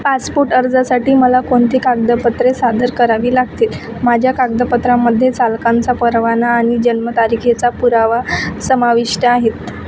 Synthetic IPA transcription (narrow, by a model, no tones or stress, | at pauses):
paspoɾʈəɾd͡zasaʈiːməlakoɳt̪iːkaɡ̚d̪əpət̪ɾesad̪ʱəɾkəɾaʋiːlaɡt̪et̪ | mad͡ʑʱjakaɡd̪əpət̪ɾamːəd̪ʱːjet͡salkãnt͡sapəɾʋanaːɽ̃id͡ʑənmət̪aɾikʰet͡sapuɾaʋasəmaʋiʂʈəaɦet̪